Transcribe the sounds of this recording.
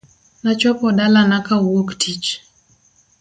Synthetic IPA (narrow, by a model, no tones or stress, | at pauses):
nat͡ʃɔpɔdalanakawoktʰit͡ʃ